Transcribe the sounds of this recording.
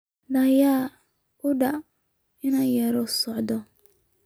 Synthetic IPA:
nɐjaː | ʊɖɐ | ɪnajɐɾɔsɔʕd̪ɔ

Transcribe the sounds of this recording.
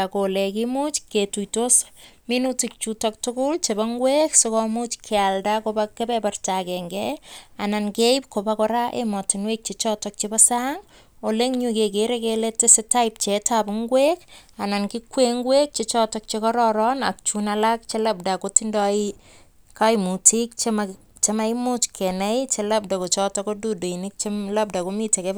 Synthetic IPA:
akolekimut͡ʃketujtosminutik̚t͡ʃutɔk̚tʊkʊlt͡ʃebaŋɡweksɪkɔmut͡ʃkʰealdakobakebɛpartakɛŋɡɛanankeip̚kobakɔɾaʔḛmɔtɪnwek̚t͡ʃet͡ʃɔtɔk̚t͡ʃebasaŋ | oleŋɲukekeɾekeletesetaip̚t͡ʃetapʊŋɡwekanankikweŋɡwek̚t͡ʃet͡ʃɔtɔk̚t͡ʃekɔɾɔɾɔna̰k̚t͡ʃunalak̚t͡ʃelab̚dakotindɔi | kaimutik̚t͡ʃe | t͡ʃemaimut͡ʃkʰɛnɛjt͡ʃelab̚dakot͡ʃɔtɔkodudoinik̚t͡ʃelap̚dakomiteke

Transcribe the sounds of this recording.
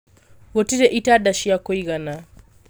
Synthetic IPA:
ɣɔtiɾɛʔitaɗaʃijakɔiɣana

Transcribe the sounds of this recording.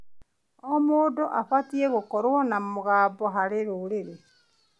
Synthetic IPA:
omoːdoʔafatieɣokɔɾwɔnamoɣaːbɔɦaɾeɾoɾeɾe

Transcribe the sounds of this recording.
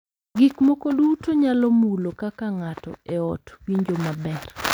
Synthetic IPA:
ɡikmokodutoɲalɔmulokakaŋatɔ̰eɔtwiɲd͡ʒomabɛr

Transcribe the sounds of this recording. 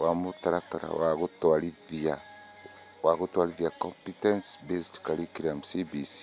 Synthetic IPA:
wamutaɾataɾa̰waɣutwaɾiðia | waɣutwaɾiðjakompitɛnsbesi̥ti̥kaɾikiɾamusibisi̥

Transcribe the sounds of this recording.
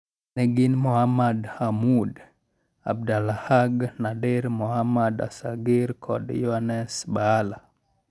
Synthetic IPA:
nɛɡɪnmɔhamadhamud | a̰b̚dalahaɡnadeɾmɔhamada̰saɡɪɾkʰɔ̰djɔanɛsbaːla

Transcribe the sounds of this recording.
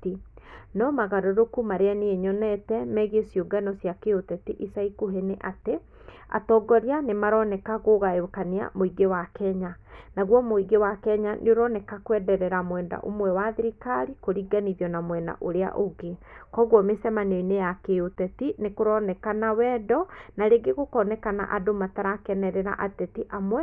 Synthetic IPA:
tinɔmaɣaɾoɾokumaɾeaneeɲɔnɛtɛmɛɣesjoɡanɔsjakeotɛtiʔisaikuɦeneʔate | a̰tɔɡɔɾianemaɾɔnɛkaɣoɣajokania̰moiɡewakɛɲanaɣwɔmoiɡewakɛɲanʔeoɾɔnɛkakwɛdɛɾɛɾamwɛnda̰ʔo̰mwɛwaðiɾikaɾikoɾiɡaniðjɔnamwɛna̰ʔoɾea̰ʔoɡekɔɣwɔmesɛmaneinejakeotɛtinekoɾɔnɛkanawɛːdɔnaɾeɡeɣokɔnɛkana̰ʔadomataɾakɛnɛɾɛɾa̰ʔatɛtiʔamwɛ

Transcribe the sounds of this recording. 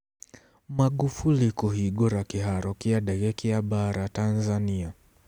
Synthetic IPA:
maɠufulikuɦiɡɔɾakiɦaɾɔkiaɗaɣɛkiaɓaɾatanzania

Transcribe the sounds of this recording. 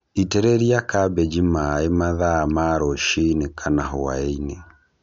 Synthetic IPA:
itɛɾɛɾiakabɛd͡ʒimaemaðaːmaɾɔʃinekʰanaɦoa̰eine

